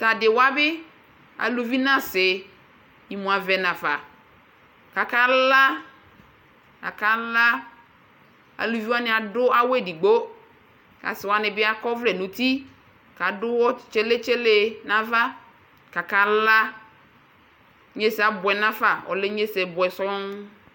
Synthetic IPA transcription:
ta˨dɪ˨wa˦bɪ˦ | a̰˨lu˨vi˦nã˦sɪ˨ | i˨mũ˨a˨vɛ˨nã˨fa˨ | ka˨ka˦la˦ | a̰˨ka˦la˦ | a̰˨lu˨vi˦wa˦nɪ˦a˨dʊ˦a˦wɛ˦˨di˨ɡ͡bo˦ | ka̰˨sɪ˨wa˨˦nɪ˨bɪ˦a˦kɔ˦vlɛ˨nʊ̃˨t̪i˦ | ka˨dʊ˦wɔ˦˨t͡ʃe˦le˦t͡ʃe˦le˦nã˨va˦ | ka˨ka˨la˦ | ɲe˦sa˨bʊ˨ɛ˨nã˦fa˨ɔ̰˨lɪ˦ɲe˦sɛ˨bʊ˨ɛ˨sɔ˦ŋ

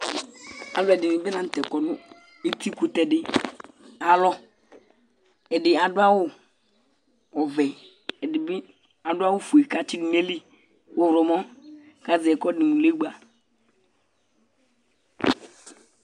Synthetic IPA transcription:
a̰˨lɔ˨ɛ˨dɪ˨mɪ˨bɪ˦nã˨n̩˨t̪ɛ˨kɔ˨nʊ˦ | e˦t̪i˦ku˦t̪ɛ˨dɪ˦ | a˨lɔ˦ | ɛ˨dɪ˨a˨dʊ˦a˦wʊ˦ | ɔ˨vɛ˨ | ɛ˨ɪ˨˦ | a˨dʊ˦a˦wʊ˦fu˨e˨ka˦t͡ʃi˦di˨ne˦li˦ | wo˦ɾɔ˨mɔ̃˦ | ka˦zɪ˨ɛ˨kɔ˦dɪ˨mũ˨le˦ɡ͡ba˨

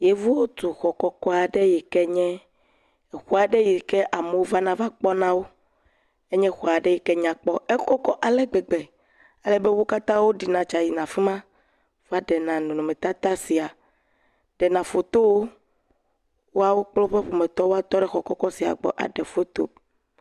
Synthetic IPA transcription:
je˦vu˦wo˦t̪u˨xɔ˨kɔ˦kɔ˦a˨ɖe˦ji˨kɛ˦ɲɛ̃˦˨ | xu˦a˨ɖe˦ji˨kɛ˦ʔa˨me˨wo˦va˦nã˨va˦k͡pɔ˦nã˦wo˦ | e˦ɲɛ̃˦xɔ˨a˨ɖɛ˦ji˨kɛ˦ɲã˨k͡pɔ˦ɛ˦kɔ˦kɔ˦ʔa˨lɛ˦ɡ͡bɛ˨ɡ͡bɛ˨ | a˨lɛ˨be˦wo˦ka˦t̪ã˦wo˦ɖi˨nã˨t͡ʃa˨ji˨nã˨fi˦mã˦ | va˦ɖɛ˨nã˨nũ˨nõ˨mɛ˨t̪a˦t̪a˦si˨a˨ | ɖ̥ɛ˨nã˨fo˨t̪o˦wo˦ | wo˦a˦wo˦k͡plɔ˦ɸɛ˦ɸo˨mɛ˨t̪ɔ˦wo˦a˦t̪ɔ˦ɖɛ˦xɔ˨kɔ˦kɔ˦si˨a̰˨ɡ͡bɔ̰˨ʔa̰˨ɖɛ˨fo˦t̪o̰˦

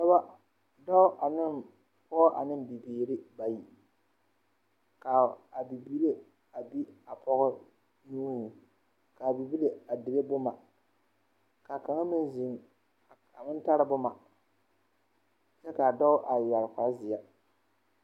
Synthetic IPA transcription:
sa˦ba˦ | dɔ˦ʊ˦ʔa˨nɪ˦m | pɔ˦ʔa̰˨nɪ˦mbi˨beː˨ɾɪ˦ba˨ji˨ | ka˨a˨bi˨bi˦le˦ | a˨bi˦a˨pɔ˦ɣɔ˦ | nuː˦hu˨ | ka˨bi˨bi˦le˨a˨dɪ˨le˦bʊ˦ma˨ | ka˨ka˨ŋa˦mɪ˦n˦zi˨ŋ˨ | a˨mɪ˦n˦ta˦ɾɪ˦bʊ˦ma˨ | t͡ʃɛ˦ka˨dɔ˦ʊ˦ʔa˨ja˨lka˨˦zɪ˨a˦

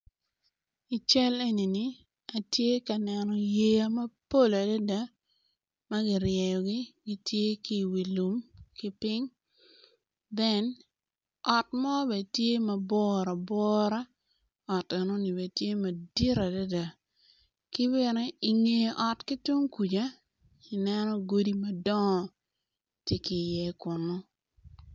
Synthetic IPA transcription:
i˨t͡ʃa˦le˦ni˨nɪ˦ | a˨tje˦ka˨nɛ˨nɔ˨je˦a˦mɐ˦po˦˨la˨da˦da˦ | ma˦ɡɪ˨ɾjɛ˨jɔ˨ɡɪ˦ɡɪ˦tje˦ki˦˨wi˨lu˨mkɪ˦pɪ˦ŋ | bɛ˦n | ɔ˨tmɔ˦bɛ˨tje˦mɐ˨bɔ˦ɾa˨bɔ˦ɾa˦ | ɔ˨ta˨nɔ˦nɪ˨bɛ˨tje˦mɐ˨di˦ɾa˨da˦da˨ | kɪ˦βɛ˨nɛ˦ɪ˨ŋe˨ʔɔ˨tkɪ˦tu˦ŋku˨d͡ʒa˦ | ɪ˨nɛ˦nɔ˦ɡo˦di˦mɐ˨dɔ˦ŋ˨ | te˦kɪ˨jɛ˦kʊ˨nɔ˦

